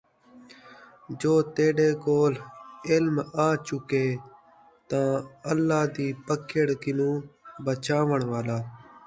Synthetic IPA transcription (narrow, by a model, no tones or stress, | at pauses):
d͡ʒoːt̪eːɖeːkoːlɪlmaːt͡ʃʊkeː | t̪ãːəlːaːd̪iːpəkeɽkɪnũːbət͡ʃaːʋəɳʋaːlaː